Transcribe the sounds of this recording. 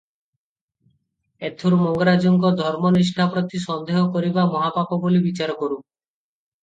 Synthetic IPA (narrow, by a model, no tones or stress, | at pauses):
et̪ʰːuɾmɔŋɡɔɾad͡ʒɔŋkɔd̪ʱɔɾmɔniʃ̬ʈʰapɾɔt̪isɔnd̪eɦɔkoɾibamɔɦapapɔbolibit͡ʃaɾɔkɔɾu